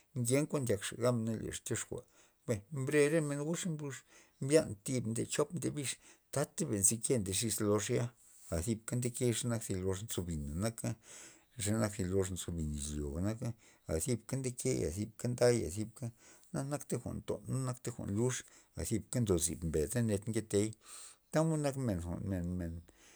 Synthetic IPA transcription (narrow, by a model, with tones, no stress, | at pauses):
ŋɡe˦ŋkʷa˦ʔnd̪ʲa˧kʂa̰˨ɡa˦m˧ne˦lḛ˨ʂt̪ʲjo˦ʂxʷa̰˨ | be˧mbɾe˧ɾe˦me˧nɡu˦ʂmblu˧ʂ | mbja˦nt̪i˧bnd̪e˧t͡ʃo˦pnd̪e˧bi˧ʂt̪a˦t̪ːe˦be˨nzi˧ke˦nd̪e˧ʂi˧slo˧ʂja˦ | a˨si˧b̚ka˦nd̪e˦ke˦ʂa˦na˦ksi˧lo˧ʂnt͡so˧bi˨na˨na˦ka˦ | ʐa˧˦na˧ki˧lo˧ʂnt͡so˧bi˨ni˨ʃlʲjo̰˨ɡa˨na˦ka˦ | a̰˨si˧bka˦nd̪e˦ke˦a̰˨θi˧b̚ka˦nd̪a˦ja̰˨si˧˦b̚ka˦na˦na˦kt̪e˦xʷa̰˨nt̪o̰˨˦na˦kt̪e˦xʷa̰˨ʔnlu˦ʂa̰˨si˧b̚ka˦nd̪o˨zḭ˨bmbe˨d̪a˦ne˧t̪ŋɡe˧t̪e˧˦jt̪a˦mu˦na˦kme˨nxʷa̰˨ʔnme˨nme˨n